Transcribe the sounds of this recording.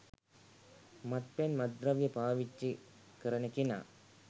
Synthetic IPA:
mɐt̪̚penmɐd̪rɐʋjɐpaːʋit͡ʃːi | kəɾɐnəkina̰ː

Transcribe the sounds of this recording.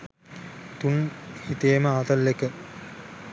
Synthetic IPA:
t̪unhit̪ejməaːt̪ɐlːekə

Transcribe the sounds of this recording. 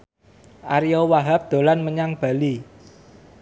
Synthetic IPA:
ʔaɾiowaɦap̚d̪̥o̤lanməɲaŋb̥a̤li

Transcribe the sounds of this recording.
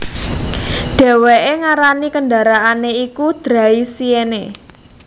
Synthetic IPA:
ɖ̥ɛ̤weʔeŋaɾanikənda̤ɾaaneikud̪̥ɾa̤isienḛ

